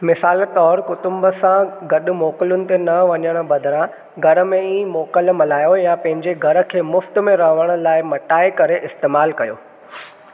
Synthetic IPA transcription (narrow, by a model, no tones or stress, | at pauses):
mɪsaːlt̪ɔːɾkʊt̪ʊ̃mbə̆sãɡɐɗʊ̆mɔːkɪlʊnɪ̆t̪enɐʋɐɲəɽ̃ʊ̆bɐd̪ʱɪɾã | ɡʱɐɾə̆mẽiːmɔːkəlmɐlaːjojãpɐ̃ɦɪ̃ɲd͡ʑeɡʱɐɾə̆kʰeːmʊft̪̆mẽɾɐɦʋəɽ̃ʊ̆laːɪmɐʈaːɪkɐɾeʔɪst̪eːmaːlkɐjo̰ː